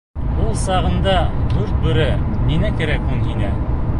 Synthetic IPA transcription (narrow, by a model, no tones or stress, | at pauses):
ulˠsɑʁɤ̆nd̪ɑd̪ʉɾt̪̚bɵ̆ɾɘninækɘ̆ɾækunhinæ